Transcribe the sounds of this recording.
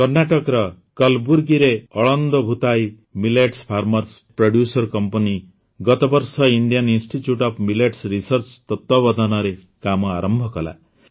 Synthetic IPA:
kʌɾnaʈɔkɾʌ | kʌlbuɾɡiɾeɔɭɔnd̪ɔbʱut̪aj | mileʈspʰaɾmʌɾspɾoɽjusɔɾkɔmpɔni | ɡʌt̪ɔbɔɾsʌiɳɖijaninsʈitjuʈɔpʰmileʈsɾisʌɾt͡ʃt̪ɔt̪wɔbɔd̪ʱɔnʌɾe | kamɔaɾɔmbʱɔkɔla̰

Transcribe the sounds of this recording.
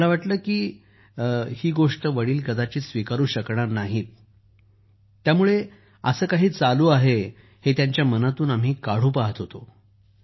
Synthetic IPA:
laʋaʈləːkiː | hiːɡoʂʈəʋəɽiːlkəd̪at͡ɕiːsʋikaɾuːɕəkɳaɾnaɦiːt̪ | jamuɭe | əsəːkaɦiːt͡saluːaɦe | het̪jaɲt͡ɕjamənat̪uːnam̤iːkaɽ̤uːpaɦət̪ɦot̪o

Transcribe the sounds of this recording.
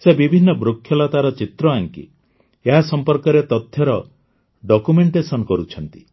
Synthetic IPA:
sebibʱinːɔbɾokʰːjɔlat̪aɾɔt͡ʃit̪ɾɔaŋkḭ | eɦasɔmpɔɾkɔɾet̪ɔt̪ʰjɔɾɔ | ɖɔkumeɳʈesɔnɔkɔɾut͡ʃʰɔnt̪i̥

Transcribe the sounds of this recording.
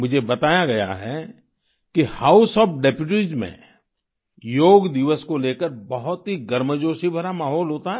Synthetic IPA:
mʊd͡ʒʱebɐt̪aːjaɡɐja̰ɦɛ | kihaːʊsɔːpɖeːpjuʈizmḛ̃ | joːɡd̪ɪʋəskoleːkəɾbɐɦʊt̪ɦiɡɐɾməd͡ʒoːʃibʱəɾamaːɦɔːlɦoːt̪aɦɛː

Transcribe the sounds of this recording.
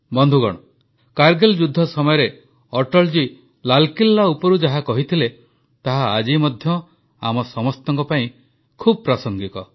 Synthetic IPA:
bɔnd̪ʱuɡɔ̰ɽ̃ɔ | kaɾɡeld͡ʒud̪ʱːɔsɔmɔjɔɾe | ɔʈɔld͡ʒi | lalkilːaupɔɾud͡ʒaɦakɔɦit̪ʰile | t̪aɦaːd͡ʒimɔd̪ʱjɔ | amɔsɔmɔst̪ɔŋkɔpaĩ | kʰubɔpɾasɔŋɡit̪ɔ

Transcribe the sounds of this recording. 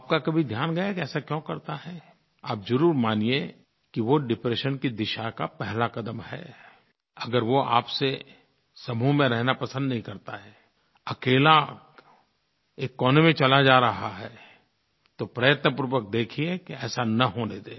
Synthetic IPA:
aːp̚kakɐbʱid̪ʱjaːnɡɐjakiɛːsakjõːkɐɾt̪aɦɛ | aːpzɐɾuːɾmaːnie | kiʋoɖɪpɾeːʃənkid̪ɪʃakapɛɦlakɐd̪əmhɛ̰ː | ɐɡəɾʋoa̰ːpse | sɐmumẽɾɛɦnapɐsə̃nd̪nɐɦĩkɐɾt̪aɦɛː | ɐkeːla | eːkːɔːnemẽt͡ʃɐlad͡ʒaːɾɐɦaɦɛ | t̪opɾɐjət̪nəpuɾʋək̚d̪eːkʰiekiɛːsanɐɦoned̪eː

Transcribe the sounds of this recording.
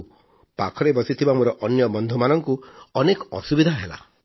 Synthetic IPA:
pakʰɔɾebɔsit̪ʰibamoɾɔʔɔnjɔbɔnd̪ʱumanɔŋkuɔnekɔɔsubid̪ʱaɦela̰

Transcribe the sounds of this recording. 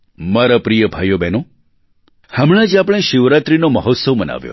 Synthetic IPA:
maɾapɾijəbʱajobeno | hamɭ̃ad͡ʒapɽ̃eʃiʋɾat̪ɾinoməɦɔt̪səʋməna̰ʋjo̰

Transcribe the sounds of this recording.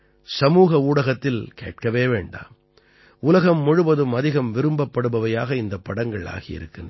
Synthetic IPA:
sɐmuːɣɐuːɽɐɣɐt̪ːɪlkḛːʈ̚kɐʋeːʋeːɳɖa̰ːm | ʊlɐɣɐmːɔɻɯbɐðɯmɐðɪɣɐmʋɪɾɯmbɐpːɐɽɯbɐʋɐjaːɣɐɪnd̪ɐpːɐɽɐŋɡɐɭa̰ːɣɪjɪ̰ɾɯkːɪnd

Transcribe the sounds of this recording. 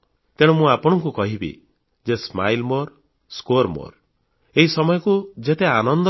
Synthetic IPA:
t̪eɽ̃umũapɔɽ̃ɔŋk̬ukɔɦibḭ | d͡ʒesma̰jlmoɾ | skoɾmo̰ɾ | eɦisɔmɔjɔkud͡ʒet̪eanɔnd̪

